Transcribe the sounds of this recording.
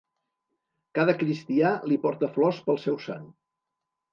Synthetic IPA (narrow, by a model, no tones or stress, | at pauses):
kaðəkɾist̪ialipɔɾt̪əflɔspəlˠsɛwsa̰n